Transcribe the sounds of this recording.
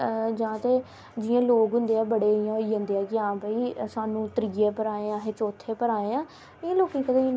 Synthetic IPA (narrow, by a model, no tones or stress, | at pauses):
d͡ʒãːt̪eː | d͡ʒɪːãːloːkɦʊ̃nd̪eːɛːbəɽeːɪjãːɦoiːʊ̃nd̪eːɛːkɪãːbəiːsaːnũːt̪ɾiːeːpəɾaːeːãːɦeːt͡ʃoːt̪ʰːeːpəɾaːẽːãː | ɪãːloːkẽːkəd̪ã